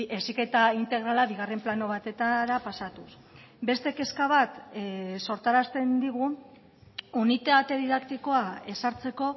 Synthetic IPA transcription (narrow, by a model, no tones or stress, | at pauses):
esike̞t̪aint̪e̞ɣ̞ɾalaβiɣ̞are̞mplano̞β̞at̪e̞t̪aɾapasat̪us | be̞st̪e̞ke̞skaβ̞at̪so̞ɾt̪aɾast̪e̞nd̪iɣu | unit̪eat̪eðiðakt̪iko̞ae̞saɾt͡se̞ko̞